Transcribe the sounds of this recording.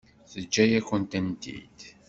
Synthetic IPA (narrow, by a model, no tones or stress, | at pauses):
θəd͡ʒːæjæçənt̪ænt̪ḭd̪